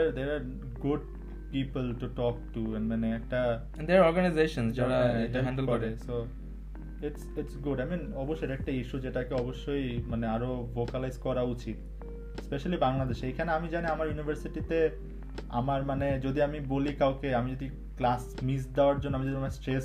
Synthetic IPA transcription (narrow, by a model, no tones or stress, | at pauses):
d̪eɾd̪eɾaɾ | ɡuɖ̚ | pipəlʈuʈɔk̚ʈuɛnɖmaneɛk̚ʈa | ɛ̃nd̪eaɾɔɾɡanajzeʃonsd͡ʑaɾaeaɦɛ̃ɳɖlkɔɾeso | iʈsiʈsɡuɖajminɔboʃːojɾɛk̚ʈaiʃud͡ʑeʈakeɔboʃːojmaneaɾovokalajzkɔɾaut͡ɕit̪̚ | speʃalibaŋlad̪eʃejkʰaneamid͡ʑaniamaɾjunibʱəɾsiʈit̪e | a̰maɾmaned͡ʑod̪iamibolikawkeamid͡ʑod̪i | klas | misd̪eoaɾd͡ʑõnːoamid͡ʑod̪iamesʈɾes